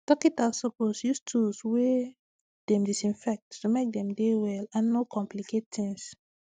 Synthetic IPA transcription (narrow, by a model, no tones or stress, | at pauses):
tɔkitasɔposjustʰuswe | d̥ɛ̃mdisĩnfɛk̚tːumek̚dɛ̃mdewɛlãnːokʰɔ̃mpliket̚tĩŋs